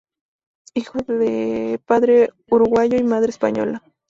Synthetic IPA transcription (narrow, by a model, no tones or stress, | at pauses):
ixod̪epaðɾe | ʊɾʊɡajoimaðɾespa̰ɲo̰la